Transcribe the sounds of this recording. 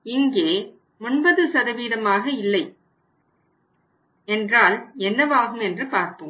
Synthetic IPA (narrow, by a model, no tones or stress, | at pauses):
ɪŋɡeː | mʊnbɐðɯsɐðɐʋiːðɐmaːɣɐɪlːɐɪ | ɛndraːlɛnːɐʋaːɣɯmɛndrɯpaːɾp̪ɯm